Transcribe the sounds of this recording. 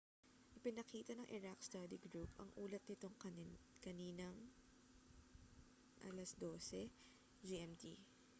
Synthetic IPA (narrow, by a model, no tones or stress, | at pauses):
ʔɪpɪnɐkiːt̪ɐnɐŋʔɛɹakst̪ɐd̪iɡɾupʔɐ̰ŋʔuːlɐt̪̚nɪt̪o̞ŋkkɐniːnɐŋ | ʔɐlɐsd̪o̞ːsɛ | d͡ʒiʔɛmt̪ḭ